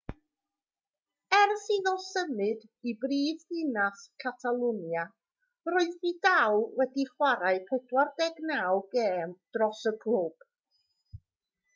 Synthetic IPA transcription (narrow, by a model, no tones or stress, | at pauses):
ɛrsiːðɔlˠsəmɨdibriːðɨnaskʰatʰalˠʊnja | roɨðbidawwɛdiχwaɾaɨpʰɛdwardɛɡnawɡeːmd̥rɔsəɡʰlub̥